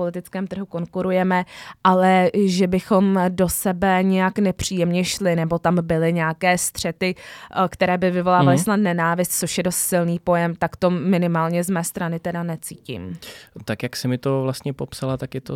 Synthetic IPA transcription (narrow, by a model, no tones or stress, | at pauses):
olɪt̪ɪt͡skɛːmt̪r̩ɦuko̞ŋkuɾujɛmɛʔalɛʒɛbɪxo̞mdo̞sɛbɛɲɛjaknɛpr̝̥iːjɛmɲɛʃlɪnɛbo̞t̪ambɪlɪɲɛakɛːst̪r̝̥ɛt̪ɪkt̪ɛɾɛːbɪvɪvo̞laːvalɪsnat̪̚nɛnaːvɪst̪̚t͡soʃjɛdo̞st̪sɪlniːpo̞jɛmt̪akt̪o̞mɪnɪmaːlɲɛzmɛːst̪ɾanɪt̪ɛdanɛt͡siːcḭmt̪akjaksɪmɪt̪ovlast̪ɲɛpopsalat̪akjɛt̪o